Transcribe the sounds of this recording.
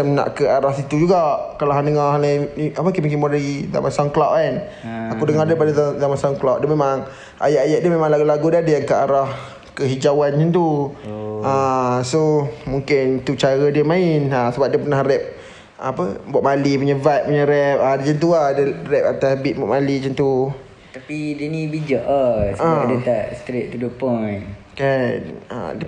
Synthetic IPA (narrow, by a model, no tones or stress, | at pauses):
əmna̰ʔkəaɾahsit̪ud͡ʒuɡaʔkalaɦandəŋahalaiapəkemuŋkɪnbadaliza̰masaŋklaʔkan | akudəŋardəpadazazamasaŋklaʔ̚dəmemaŋ | a̰jaʔajaʔdəmemãŋlaɡulaɡudadəjaŋkəaɾah | kəɦid͡ʒawanɲət̪u | asomuŋkɪnt̪ut͡ʃaɾədiəmãɪnasəbap̚diəpənahɾɛp̚ | a̰pəbwaʔ̚maliməɲəvat̪̚məɲəɾɛp̚adət͡ʃənt̪̬uahdərɛp̚at̪asbɪt̪̚baʔ̚malit͡ʃənt̪u | t̪apidənibid͡ʒaʔasʔaaadət̪aʔst̪ɾeʔ̚t̪udupən | kana̰diə